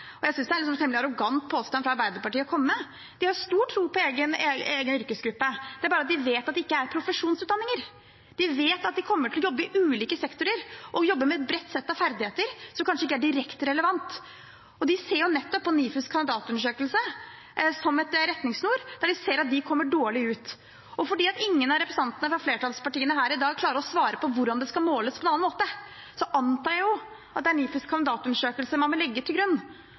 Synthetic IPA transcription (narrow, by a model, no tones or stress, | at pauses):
ɔjæɪsʏnsd̪æɾɭɪksɔmt̪ʰɛmlɑɾʊɡɑnt̪̚pʰoːst̪ɑnfɾɑɾbæɪd̪əɾpɑʈiːəɔkʰɔmːəːə | d̪̥ɪhɑɾɾst̪uːʈʰːɾuːpʰɔeːɡənːeːɡənʏɾkəsɡɾʉpːəd̪ɛæɾbɑːɾɑt̪d̪ɪʋeːt̪ɑt̪̚d̪ɪɪkːəæɾpʰɾʊfəʂuːnsʉːt̪̚ɑnːɪŋəɾ | d̪̥ɪʋeːt̪ɑt̪̚d̪ɪkʰɔmːəʈʰɪlɔjɔbːəɪʔʉːliːkəsɛkt̪ʊɾəɾʔɔjɔbːəɾmɛɛt̪̚bɾɛt̪ːsɛt̪ːɑʋfæɾd̪ɪheːt̪əɾsɔmkʰɑnʂəɪkːəæɖɪɾɛkt̪ɾɛləʋɑnt̪ | ɔd̪ɪseːɾjʊnɛt̪ːɔpːɔniːfʉskʰɑnd̪ɪd̪ɑːt̪ʉnəʂøːkəlsə | sɔmɛt̪ɾɛt̪nɪŋsnuːɾd̪ɑɖɪseːɾɑt̪̚d̪ɪkʰɔmːəɖoːɭɪʉːt̪ | ɔfɔɖiːɑt̪ɪŋːənɑɾɛpɾɛsɑnt̪ənəfɾɑfleːʈʰɑlspɑʈiːənəɦæːɾɪd̪ɑːɡ̚kʰlɑːɾəɾɔsʋɑːɾəpɔʋʊɾɖɑnd̪ɛskɑlmoːləspʰɔɛnɑnːɑnmoːt̪ə | sɔʔɑnt̪ɑːjjʊ | ɑt̪d̪ɛæɾɳniːfʉskʰɑnd̪ɪd̪ɑːt̪ʉnəʂøːkəlsəmɑnmɔlɛɡːət̪ʰɪlɡɾʉnː